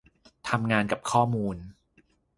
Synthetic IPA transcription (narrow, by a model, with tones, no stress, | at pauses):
t̪ʰa˧mŋaː˧nka˨˩p̚kʰɔː˥˩muː˧n